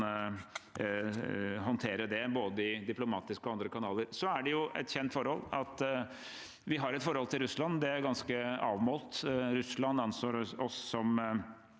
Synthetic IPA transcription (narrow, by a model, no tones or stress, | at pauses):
ɦɔnt̪ʰeːɾəd̪ɛboːd̪əɪd̪ɪplʊmɑːt̪ɪskɔɑnd̪ɾəkʰɑnɑːləɾsɔæɖɛjʊʔɛ̰t̪çɛnt̪fɔɾhɔlːɑt̪ | ʋɪɦɑɾɛt̪fɔɾhɔlt̪ʰɪlɾʉslɑnːd̪ɛæɾɡɑnskəɑːʋmoːlt̪ɾʉslɑnːɑnsoːɾɔsːɔm